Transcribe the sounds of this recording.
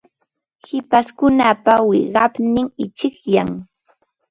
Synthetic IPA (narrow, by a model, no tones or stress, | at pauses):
hɪpaskʊnapawɪɢɑpnɪŋɪt͡ʃɪkjaŋ